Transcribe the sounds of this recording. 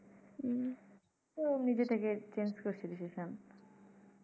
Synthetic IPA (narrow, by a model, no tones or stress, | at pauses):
onid͡ʑet̪ʰeket͡ɕenskoɾt͡ɕʰiliʃeʃan